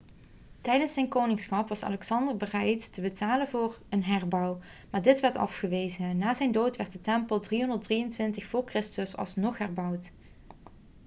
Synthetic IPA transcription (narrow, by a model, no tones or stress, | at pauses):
tɛjdənsɛjnkoːwnɪŋsxɑpʋɑsɑ̰lɛksɑndəɹbərɛjtəbətaːlənvʊːɹənɦɛɹbɑw | maːɹdɪtʋɛɹtɑ̰fχəʋejzənnːaːzɛjndowtʋɛɹt̚dətɛmpəlˠdriɦɔndəɹtdriəntʋɪntəxfʊːɹkrɪstəsɑ̰lˠsnɔχɦɛɹbʌwt